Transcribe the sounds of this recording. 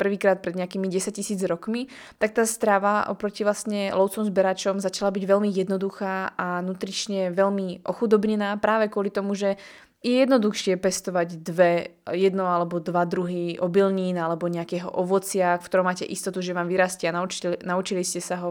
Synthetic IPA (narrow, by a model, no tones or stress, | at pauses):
pr̩ʋiːkɾaːt̪̚pɾɛd̪ɲɛakiːmiɟɛsac̚cːisiːd͡zɾɔkmi | t̪ak̚t̪aːst̪ɾaʋaʔɔ̰pɾɔciʋlasɲɛlɔʊt͡sɔmzbɛɾat͡ʃɔmzat͡ʃalabiɟʋɛlmijɛd̪nɔd̪uxaːanut̪ɾit͡ʃɲɛʋɛʎmiʔɔxud̪ɔbɲɛnaːpɾaːʋɛkʊɔlit̪ɔmuʒɛ | jɛjɛd̪nɔd̪uxʃɪɛpɛst̪ɔʋaɟd̪ʋɛjɛd̪nɔalɛbɔd̪ʋad̪ɾuɦiʔɔbilɲiːnalɛbɔɲɛakɛːɦɔ̰ʔɔʋɔt͡sɪafkt̪ɔɾɔʊmaːcɛ̰ʔist̪ɔt̪uʒɛʋaːmʋiɾaːscɛananaut͡ʃiliscɛsaɦɔ